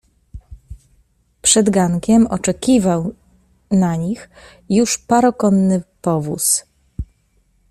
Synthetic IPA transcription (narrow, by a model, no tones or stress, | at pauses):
pʂɛd̪ɡaŋkʲɛmɔt͡ʂɛkʲivaw | naɲix | juʂpaɾɔkɔnːɘpɔvus